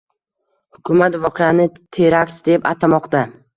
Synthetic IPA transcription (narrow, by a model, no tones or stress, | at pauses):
hʊkʲʰʊmat̪vɒqʰejanɪt̪ʰeɾakʲt̪d̪e̞pat̪ʰamɒqt̪a